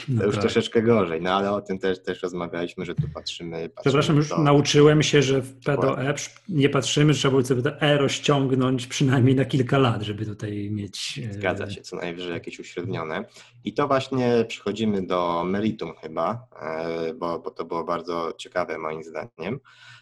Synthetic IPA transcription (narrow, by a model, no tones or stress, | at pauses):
nɔjuʂaɾɔʂɛt͡ʂkɛɡɔʐɛjnɔalɛɔt̪ɘmt̪ɛʂt̪ɛʂɾɔzmavʲjalʲiɕmɘʐɛt̪upattʂɘmɘpʂɛpɾaʂamjuʂnaut͡ʂɘwɛmɕɛʐɛfpɛd̪ɔʔɛpʂ | ɲɛpatʂɘmɘʐɛtʂɛbabwɔt̪sɔbt̪ɔʔɛɾɔɕt͡ɕɔŋɡnɔɲt͡ɕpʂɨnajmʲɲejnakʲilkalad̪ʐɛbɘt̪ut̪ajmʲjet͡ɕɡa̰a̰ɕɛsɔna̰vʐɛjakʲeɕuɕɾɛd̪ɲɔnɛ | it̪ɔvwaɕɲɛpʂɛ̥xɔd͡ʑimɘd̪ɔmɛɾit̪umxɘba | bɔbɔt̪ɔbɘwɔbaɾd̪zɔt͡ɕɛkavɛmɔjimzd̪a̰ɲɛm